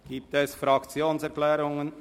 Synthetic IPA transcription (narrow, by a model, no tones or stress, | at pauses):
ɡ̥iːp̚tɛsfɾɑkt͡sjoːnsɛɾklɛːɾʊŋən